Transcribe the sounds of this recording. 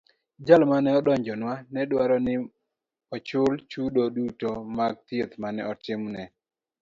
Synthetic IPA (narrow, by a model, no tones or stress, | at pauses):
d͡ʒalmanɛɔdɔɲd͡ʒɔnwanɛdwaɾɔnɪ | ɔt͡ʃʊlt͡ʃudodutomaɡ̚t̪iet̪manɛ̰ɔtɪmnɛ